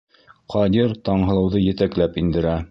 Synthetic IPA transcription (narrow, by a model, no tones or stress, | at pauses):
qɑd̪ʲiɾt̪ɑɴɦɤ̆lˠɤ̆wðɤjɘ̆t̪æklæpind̪ɘ̆ɾæ